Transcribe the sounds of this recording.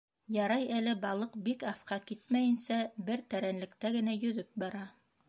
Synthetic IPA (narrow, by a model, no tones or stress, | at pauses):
jɑɾɑjælɘbɑlˠɤqbikɑθqɑkit̪̚mæjɘ̆nsæbɘɾt̪æɾænlɘ̆kt̪æɡɘ̆næjɵ̆ðɵp̚bɑɾɑ